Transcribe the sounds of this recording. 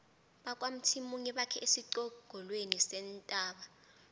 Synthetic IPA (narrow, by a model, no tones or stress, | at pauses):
ɓakʼwam̩tʰimuŋɛɓakʰɛʔesiǀɔɡ̥ʱɔlwenisɛntʼaːɓa